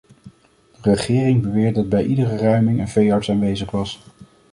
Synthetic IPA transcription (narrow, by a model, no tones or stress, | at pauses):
d̥ərəχɪːrɪŋbəʋɪːɹddɑd̚bɛjʔidərərœɥmɪŋənvejɑɹtsaːnʋejzəχʋɑs